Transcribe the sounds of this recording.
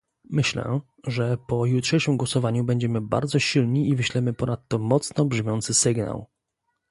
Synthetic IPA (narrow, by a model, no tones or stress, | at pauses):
mɘɕlɛ̰ | ʐɛpɔjutʂɛjʂɘmɡwɔsɔvaɲubɛɲd͡ʑɛmɘba̰ɾd̪zɔɕilɲiivɘɕlɛmɘpɔnat̪ːɔmɔt̪snɔbʐmʲjɔnt̪sɘsɘɡna̰w